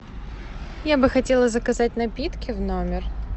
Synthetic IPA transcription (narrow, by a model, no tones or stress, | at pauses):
jabɨxɐtʲe̞lˠəzəkɐzat̚ʲnɐpʲit̪kʲɪvnomʲɪr